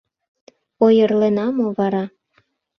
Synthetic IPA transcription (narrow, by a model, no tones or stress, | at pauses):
ojərlenɑmoβɑɾɑ